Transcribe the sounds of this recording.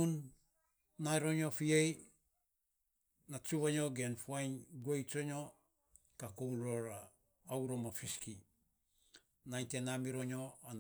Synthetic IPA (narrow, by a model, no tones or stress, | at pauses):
unː | aeɾo̞ɲo̞fiej | nat͡ʃuβaɲo̞ɡe̞nfuajnɡuejt͡ʃo̞ɲo̞ | kakowloɾaː | wɾo̞mafiski | najte̞namiɾo̞ɲo̞an